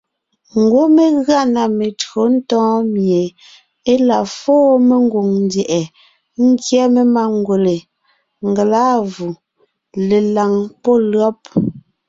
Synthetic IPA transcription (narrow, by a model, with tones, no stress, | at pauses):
ŋ̩˨ɡwo˦me˨ɣɰa˦˨na˨me˨tɰo˨n̩˦tɔ̃ː˦mje˨ | e˦la˨fɔː˦me˨ŋ˦ɡo˨ŋn˨˦djɛ˨ʔɛ˨ | ŋ̩˦kjɛ˦me˦ma˦ŋ˦ɡwo˨le˨ | ŋ˨ɡe˨laː˦vu˨ | le˨la˨ŋpɔ˦lɰɔ˦p̚